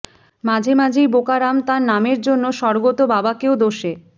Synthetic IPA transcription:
mad͡ʑʱemad͡ʑʱejbokaɾamt̪aɾnameɾd͡ʑonːoʃɔɾɡot̪obabakeod̪oʃe

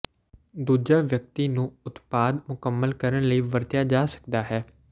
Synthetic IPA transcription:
d̪uːd͡ʒaːʋjək̚t̪iːnũːʊt̪paːd̪mʊkəmːəlkəɾəɳləiːʋəɾt̪jaːd͡ʒaːsə̥kd̪aːɦɛː

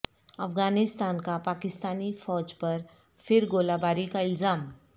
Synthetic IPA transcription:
əfɡanist̪ankapakist̪anifɔd͡ʑpəɾ | fiɾɡolabaɾikaild͡zam

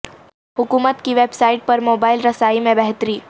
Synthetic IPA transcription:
ɦʊkuːmət̪kiʋeːbsaːɪʈ̚pɐɾmoːbaːɪlɾɐsaːimẽbɛɦt̪ɾiː

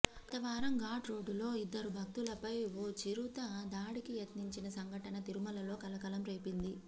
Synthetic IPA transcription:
ɐt̪ɐʋaːɾɐŋɡaːʈɾo̞ːɖːulo̞ːid̪ːɐɾubʱɐk̚t̪ulɐpɐjoːt͡ʃiɾut̪ɐd̪aːɽikijɐt̪niɲt͡ʃinɐsɐŋɡʱɐʈɐnɐt̪iɾumɐlɐlo̞ːkɐlɐkɐlɐmɾeːpind̪i

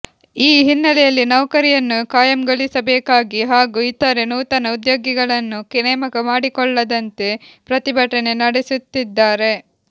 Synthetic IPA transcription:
iːɦinːɐlɛjɐlːinɐwkɐɾijɐnːukaːjɐmɡɐɭisɐbɛːkaːɡiɦaːɡuːit̪ɐɾenuːt̪ɐnɐud̪joːɡiɡɐɭɐnːukinɛːmɐkɐmaːɽikɔɭːɐd̪ɐnt̪e̞pɾɐt̪ibʱɐʈɐne̞nɐɽesut̪ːid̪ːaːɾe̞

